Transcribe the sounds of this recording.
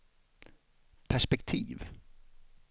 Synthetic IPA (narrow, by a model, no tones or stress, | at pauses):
pʰæʂpɛkt̪ʰḭːv